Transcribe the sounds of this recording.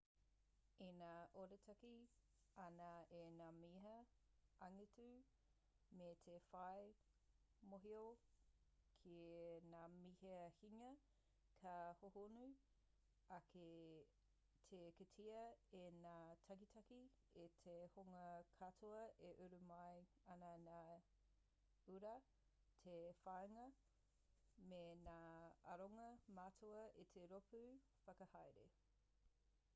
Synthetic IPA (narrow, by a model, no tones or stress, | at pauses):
enaːʔoɾetʰɐki | ɐnɐenaːmiɦɐɐŋitʉ | metʰefɐj | moɦio | kʰinaːmihehiŋɐ | kʰɐhohonu | ɐke | tʰeketʰiɐenaːtʰɐkitʰɐki | etʰehoŋɐkʰatʰoɐeʔʉɾumɐj | ɐnɐna | ʉɾɐ | tʰefajŋɐ | menaːɐɾoŋɐmatʰoɐʔetʰeɾopʰʉ | fɐkɐhajɾḛ